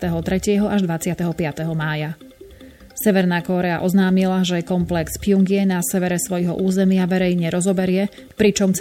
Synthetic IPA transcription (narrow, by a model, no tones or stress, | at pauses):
t̪ɛɦɔt̪ɾɛcɪɛɦɔʔaʒd̪ʋat͡sɪat̪ɛɦɔpɪat̪ɛɦɔmaːja | sɛʋɛɾnaːkɔɾɛa̰ʔɔznaːmilaʒɛkɔmplɛkspijuŋɡɪɛnasɛʋɛɾɛsʋɔjɦɔ̰ʔuːzɛmɪaʋɛɾɛjɲɛɾɔzɔbɛɾɪɛ | pɾit͡ʃɔmt͡s